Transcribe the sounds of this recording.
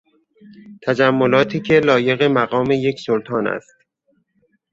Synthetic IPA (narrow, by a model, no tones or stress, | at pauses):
t̪ʰæd͡ʒæmːolɒːt̪ʰiːcʰe̞lɒːje̞ɣe̞mæɣɒːme̞je̞cʰsolt̪ʰɒːnæ̰st̪